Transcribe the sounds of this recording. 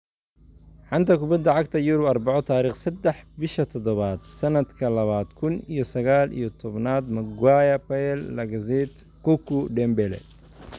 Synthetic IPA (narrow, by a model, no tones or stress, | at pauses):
ħɑnt̪ʰɐkʊbɐd̪ɐʕɑɡt̪ʰɐjuɾɔbɐrbɑʕɔt̪ʰaːɾiːχsɛd̪ɛħbɪʃɐt̪ʰɔd̪ɔβaːd̪̥sɐnɐd̪kʰɐlɐβaːd̪kʰʊnijɔsɐɣaːlḭjɔt̪ʰɔβnaːd̪mɐɡwaːjɐpɐɛlːɐɡɐzɛt̪kukʊɖɛmbɛlɛ̰